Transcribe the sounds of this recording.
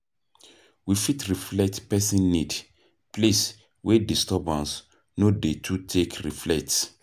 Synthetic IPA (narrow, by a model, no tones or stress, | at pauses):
wifitɹiflɛk̚tpɛsĩnːid | plis | wɛdistɔbãns | nodetʰutʰekɹiflɛkts